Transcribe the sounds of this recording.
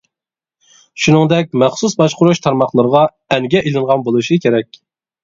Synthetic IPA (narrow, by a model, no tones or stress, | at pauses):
ʃunɨŋd̪ɛk̚ʲmɛχsusbɑʃqʊɾuʃt̪ʰɑɾmɑχlˠəɾəʁɑ | ɛŋɡʲɛʔelˠɨɴʁɑnbolˠuʃikʲʰeɾɛkʲ